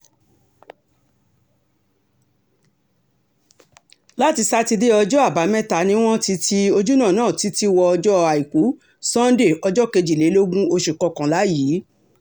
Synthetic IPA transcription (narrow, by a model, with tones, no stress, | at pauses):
la˦ti˧sa˦ti˧de˦ɔ˧d͡ʒɔ˦a˦˨ba˨˦mɛ̃˦ta˨˦nĩ˦w̃ɔ̃˦ti˦tʰi˦o˧d͡ʒu˦nãː˦˨nãː˦˨ti˨˦ti˦wɔ˧ɔ˧d͡ʒɔ˦˧a˨i˨ku˨˦ | sã˦n˦de˦˨ɔ˧d͡ʒɔ˦ke˧d͡ʒi˨le˨˦lo˦ɡũ˦o˧ʃe˨kɔ˧˦kã˨la˨˦jiː˨˦